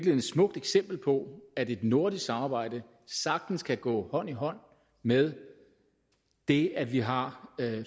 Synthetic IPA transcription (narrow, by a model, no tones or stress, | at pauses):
ɡ̥len̩ˠd̥smɔ̽ɡ̥̚d̥eɡ̥sem̰b̥l̩pʰɒ̽æde̝d̥no̝ɐd̥isɑ̈mɑ̈ːb̥ɑ̈ɪ̰d̥ə | sɑ̈ɡ̥̚d̥n̩skʰæɡ̥ɔ̰ːhɒ̽n̰iɦɒ̽n̰ | með̞ˠ | d̥e̝æʋiɦɑ̈